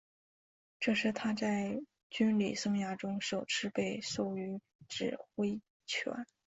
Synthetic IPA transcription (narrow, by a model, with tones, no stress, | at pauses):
ʈ͡ʂɤ˥˧ʂɻ̩˥˩t̪ʰa˥t͡sa˥˩ɪ | t͡ɕy˥nlḭ˨˩sɤ˥ŋja˥˩ʈ͡ʂʊ˥ŋʂo˨˩ʊʈ͡ʂʰɻ̩˥pe˥˧ɪso˥˩ʊy˧˥ | ʈ͡ʂɻ̩˨˩xwe˥ɪ | t͡ɕʰɥɛ̰˧˥n